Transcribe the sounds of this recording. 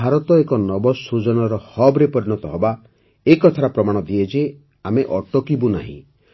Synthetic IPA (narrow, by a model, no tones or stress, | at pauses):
aɾɔt̪ɔekɔnɔbɔsud͡ʒɔnɔɾɔhɔbɾepɔɾinɔt̪ɔɦɔba | ekɔt̪ʰaɾɔpɾɔmaɽ̃ɔd̪ied͡ʒe | ameʔɔʈɔkibuna̰ɦḭ̃